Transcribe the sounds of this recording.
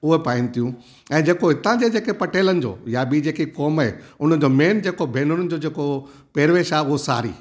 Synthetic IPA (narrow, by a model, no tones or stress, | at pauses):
ʊɦepaːɪ̃nɪ̆t̪ʰijũ | ɛ̃ːd͡ʑeːkoɦɪt̪ãd͡ʑed͡ʑeːkepɐʈeːlənɪ̆d͡ʑo̰ːjabʱid͡ʑeːkikɔːmaɦeʊn̤ə̆d͡ʑoːmeːnd͡ʑeːkobʱeːn̤ʊnənɪ̆d͡ʑoːd͡ʑeːko | peːɾʋeːʃaːɦeʊɦosa̰ːɾḭː